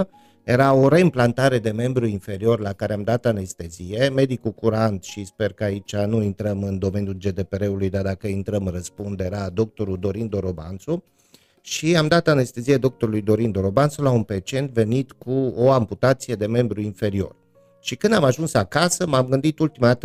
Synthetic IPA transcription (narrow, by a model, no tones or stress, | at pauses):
je̞ɾao̞ɾe̞ɨmplant̪aɾe̞d̪e̞me̞mbɾuinfe̞ɾio̞rlakaɾe̞amd̪at̪ane̞st̪e̞zie̞me̞d̪ikukuɾant̪ʃispe̞rkəait͡ʃʲanuint̪ɾəmɨnd̪o̞me̞nijuld͡ʒe̞d̪e̞pe̞ɾe̞ulujd̪ard̪akəint̪ɾəmɨrəspund̪e̞ɾad̪o̞k̚t̪o̞ɾud̪o̞ɾind̪oɾo̞ba̰nt̪su | ʃiamd̪at̪ane̞st̪e̞zijed̪o̞k̚t̪o̞ɾulujd̪o̞ɾind̪o̞ɾo̞bansulaunpet͡ʃe̞nt̪ve̞nit̪kuoamput̪at̪sije̞d̪e̞me̞mbɾuinfe̞ɾio̞̰r | ʃikɨnd̪amaʒunsakasəmamɡɨnd̪it̪ult̪imat̪